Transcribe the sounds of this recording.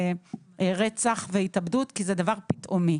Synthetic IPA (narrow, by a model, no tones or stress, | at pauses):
ʁet͡saχveitabdut̪kized̪avaʁpi̥t̪ʔomi